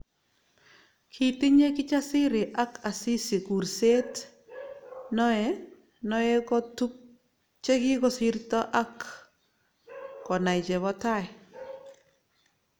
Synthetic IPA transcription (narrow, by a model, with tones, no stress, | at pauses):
kʰi˦ti˦ɲe˦kɪ˦t͡ʃa˦sɪ˦ɾɪ˨ʔa˦ka˨si˦si˨ku˨ɾse˦t | nɔɛ | nɔɛ˦kɔ˦tu˦k̚ | t͡ʃe˦ki˦kɔ˦si˦ɾtɔ˦ʔa˦k | ɔ˨na˨it͡ʃɛ˨βɔ˦ta˦ɛ˨